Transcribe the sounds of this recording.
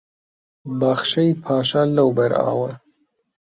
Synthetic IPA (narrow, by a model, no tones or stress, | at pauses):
baxʃɐjpʰɑːʃalɐwbɐɾɑ̰ːwɐ